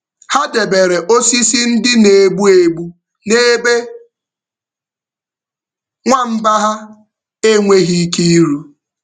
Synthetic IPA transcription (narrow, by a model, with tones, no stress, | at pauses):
ha˦de˨be˨ɾe˨ʔo˦si˦si˦n̩˦dɪ˦ne˨ɡ͡bu˦e˨ɡ͡bu˦ | ne˦be˦ | ŋʷa˦m̩˦ba˦ɦa˦ | e˦ŋʷe˦ɣi˦ki˦i˦ɾu˦